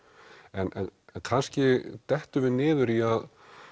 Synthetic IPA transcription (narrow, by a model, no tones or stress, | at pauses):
ɛnʔɛ̰nɛnkʰanscɪt̪ɛht̪ʏvɪnɪːðʏɾiað